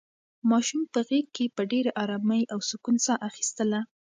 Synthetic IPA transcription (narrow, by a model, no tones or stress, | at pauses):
mɑʃumpəɣek̚kːepəɖeɾaʔɑɾɑməjawsʊkunsɑʔaxi̥st̪əla